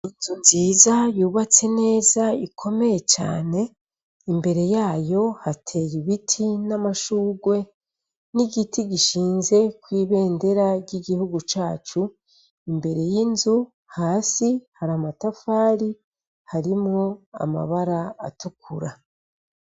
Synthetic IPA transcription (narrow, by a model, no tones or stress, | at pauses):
inzunziːzajuːβat͡se̞ne̞ːzaikʰo̞me̞je̞t͡ʃa̰ːne̞ | imbe̞ɾe̞jaːjo̞hatʰe̞jiβitʰinamaʃuːɡwe̞ | niɡitiɡiʃiːnze̞kwiːβe̞ːnde̞ɾaɡɟiɡihuɡut͡ʃaːt͡ʃu | imbe̞ɾe̞jinzu | haːsihaɾamatafaːɾi | haɾimŋo̞a̰ma̰βaɾaa̰tukʰuɾa